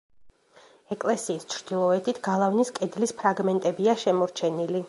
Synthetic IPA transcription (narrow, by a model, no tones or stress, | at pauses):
ɛkʼlɛsiːst͡ʃʰɾd̪̥ilˠɔɛt̪ʰit̪ʰɡalˠavniskʼɛd̪lispʰɾaɡmɛnt̪ʼɛbiaʃɛmɔɾt͡ʃʰɛnili